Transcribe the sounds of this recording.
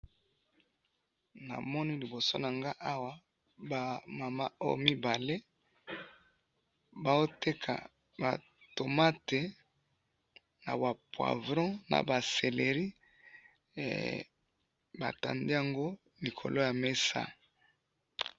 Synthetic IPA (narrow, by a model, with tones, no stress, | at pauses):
na̰˨mɔ˦ni˦li˨bo˨so̰˦na˨ŋɡa˦ʔa˦wa˦ | ba˨ma˨ma˦o̰˦jo̰˦mi˦ba˨le˦ | ba˨o˦te˦kʰa̰˨ | ba̰˨ | to˨ma˦te˨ | na̰˨ba˨pwa̰˨vʁɔ̃˦na̰˨ba˨se˨le˨ʁi˦˨ | ba̰˨ta̰˨nde˦ja˨ŋɡo˦ | li˨kʰo̰˨lo˦ja˨me˦sa̰˦